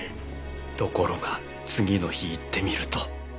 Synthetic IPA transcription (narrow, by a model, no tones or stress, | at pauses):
t̪o̞ko̞ɾo̞ɡa | t͡sɨɡʲino̞çiːt̪ːe̞mʲiɾɯ̟t̪o